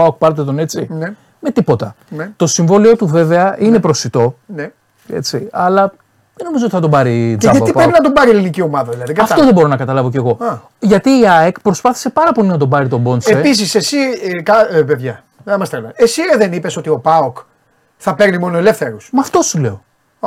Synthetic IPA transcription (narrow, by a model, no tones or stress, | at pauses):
ɐok̚pɐɾet̪et̪o̞ne̞t͡sine | me̞t̪ipo̞t̪ɐnet̪o̞siɱvo̞lio̞t̪uve̞ve̞ɐʔine̞pɾo̞sit̪o̞ne | ḛt͡siɐlɐ | ðeno̞mizoot̪iθɐt̪obɐɾiðɐippɾepinɐt̪obɐɾielinicio̞mɐðɐðilɐðiɡɐfoðebo̞ɾo̞nɐkɐt̪ɐlɐvo̞ce̞ɣo̞ɐ | ʝɐt̪iːɐekpɾo̞spɐθi̥se̞pɐɾɐpo̞linɐt̪̬o̞bɐɾit̪o̞bo̞nseepis̬isesikɐpeðʝɐ | ɐmɐst̪elɐ̰nesiðenipe̞so̞t̪io̞pɐok | θɐpe̞ɾnimo̞noele̞fθeɾusmɐft̪o̞sule̞o̞